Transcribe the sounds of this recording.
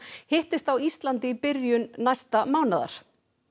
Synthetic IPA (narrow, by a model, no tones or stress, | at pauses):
hɪht̪ɪst̪awist̪lant̪ɪpɪɾjʏnnajst̪amaːwnaða̰ɾ̥